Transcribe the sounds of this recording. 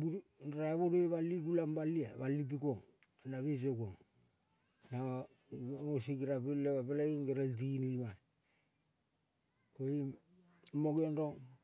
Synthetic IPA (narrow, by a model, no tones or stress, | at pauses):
buɾaβoɾojβaliɡulambaliaβalip̬ikoŋ | anaβisokoŋ | na | mosikɾapileβapelaiŋɡeɾalt̬inima | koi | moɡenɾoŋ